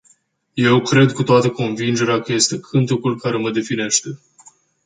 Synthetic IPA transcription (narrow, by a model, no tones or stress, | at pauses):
je̞wkɾe̞d̪kut̪oat̪əko̞nvind͡ʒe̞ɾeakəje̞st̪e̞kʰɨnt̪ukulkaɾe̞məd̪e̞fine̞ʃt̪e̞